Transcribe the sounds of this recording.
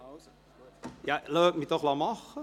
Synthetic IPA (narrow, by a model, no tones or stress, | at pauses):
jaløːk̚mitɔχlɑmɑx